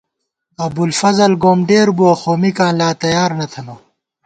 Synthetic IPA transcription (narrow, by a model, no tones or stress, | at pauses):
ɐbulfɐzɐlɡoːmɖeːɾbuɐxoːmikãːnlaːt̪ɐjaːɾnɐt̪ʰɐnoː